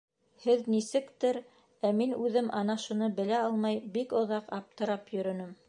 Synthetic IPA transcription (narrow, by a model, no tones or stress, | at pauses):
hɘðnisɘ̆kt̪ɘɾ | æminʉðɘmʔɑnɑʃŭnɤbɘ̆læɑlˠmɑjbikŏðɑqɑp̚t̪ɤ̆ɾɑpjɵ̆ɾɵ̆nɵm